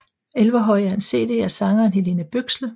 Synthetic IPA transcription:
elʋɐɦɒ̽ɪ̰æɐnse̝̰ːd̥e̝̰ːæɐsɑ̈ŋɐːnɦe̝le̝nəb̥øɡ̥slə

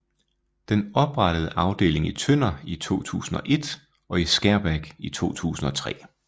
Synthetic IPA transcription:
d̥enɒ̽b̥ʁɑ̈ɾ̥əð̞̩ˠəʔɑ̈ʊd̥e̝̰ːle̝ŋit͡sʰøn̰ɐit͡sʰo̝̰ːt͡sʰṵːsn̩ɒ̽ʔe̝d̥ | ʔɒ̽isɡ̥æɐb̥æɡ̥it͡sʰo̝̰ːt͡sʰṵːsn̩ɒ̽t͡sʰʁɛ̰ː

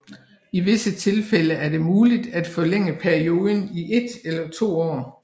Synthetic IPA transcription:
iʋe̝sət͡sʰe̝lfeləæɐde̝muːlid̥æd̥fɒ̽leŋ̰əpʰæɐio̝ːð̞ˠn̩iʔe̝d̥elɐt͡sʰo̝̰ːɒ̰ː

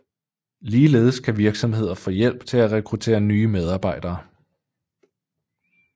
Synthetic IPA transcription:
liːle̝̰ːð̞ˠəskʰæʋiɐɡ̥sɒ̽mhe̝ð̞̰ˠɐfɒ̽ːjel̰b̥̚t͡sʰe̝læʁɛkʰʁut͡sʰe̝̰ːɐnyːmeð̞ˠɑ̈ːb̥ɑ̈ɪd̥ɐː

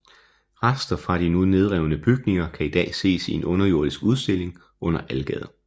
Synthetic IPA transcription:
ʁɑsd̥ɐfʁɑ̈ɾ̥inune̝ð̞ˠʁɛʊnəb̥yɡ̥̚ne̝ŋɐkʰæid̥ɛ̰ːse̝̰ːsie̝nɔ̽nɐjo̝ɐdˠisɡ̥uð̞ˠsd̥e̝l̰e̝ŋ | ʔɔ̽n̰ɐʔælɡ̥ɛ̰ð̞ˠ

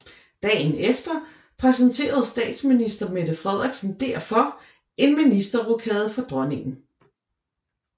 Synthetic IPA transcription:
d̥ɛ̰ːnefd̥ɐ | pʰʁɛsənt͡sʰe̝̰ːɐð̞̩ˠsd̥ɛ̰ːd̥sminisd̥ɐme̝d̥əfʁɛð̞ˠɐɡ̥sən̩d̥eɐ̰fɒ̽ | ʔe̝nminisd̥ɐʁokʰɛːð̩ˠfɒ̽d̥ʁɒne̝ŋn̩

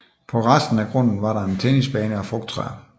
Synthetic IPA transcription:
pʰɒ̽ʁasd̥n̩æɡ̥ʁɔ̽n̰n̩ʋɑ̈ɾɑ̈e̝nt͡sʰenisb̥ɛːnəɒfʁɔ̽ɡ̥̚d̥̚t͡sʰʁɛ̰ɐ̰

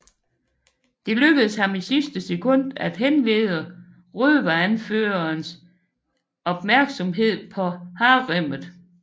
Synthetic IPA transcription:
d̥e̝løɡ̥əð̩ˠshɑ̈misisd̥əsekʰɔ̽n̰d̥æd̥ɦenʋeːðˠə | ʁyðˠʋæænføːɐns | ɒ̽b̥mæɐɡ̥sɒ̽mɦe̝ð̰ˠpʰɒ̽hɑ̈ːʁem̰ð̩ˠ

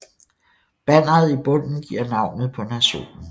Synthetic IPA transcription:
b̥æn̰ɐð̩ˠib̥ɔ̽n̰n̩ɡ̥iɐ̰nɑ̈ʊ̰nð̩ˠpʰɒ̽næɕo̝̰ːnn̩

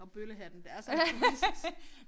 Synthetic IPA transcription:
ɒ̽b̥øləɦænn̩d̥eæɐs

